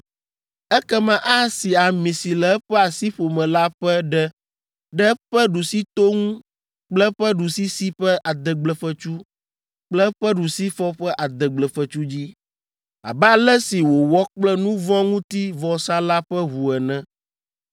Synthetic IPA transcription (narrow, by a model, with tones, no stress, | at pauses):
ɛ˦kɛ˦mã˦ʔa˦si˨a˨mĩ˨si˨lɛ˨˦ɸɛ˦a˨si˦ɸo˨mɛ̃˨la˦ɸɛ˦ɖɛ˦ | ɖɛ˦ɸɛ˦ɖu˨si˦t̪o˦ŋũ˦ | k͡plɛ˦ɸɛ˦ɖu˨si˦si˦ɸɛ˦ʔa˨d̪ɛ˨ɡ͡blɛ˨ɸɛ˦t͡ʃu˦ | k͡plɛ˦ɸɛ˦ɖu˨si˦fɔ˦ɸɛ˦ʔa˨d̪ɛ˨ɡ͡blɛ˨fə˨t͡ʃu˦d͡ʑi˦ | a̰˨bɛ˦a˦lɛ˦si˨wo˨wɔ˦k͡plɛ˦nũ˦vɔ̃˦ŋũ˦t̪i˦vɔ˨sa˦la˦ɸɛ˦ɦu˨ɛ˨nɛ̃˦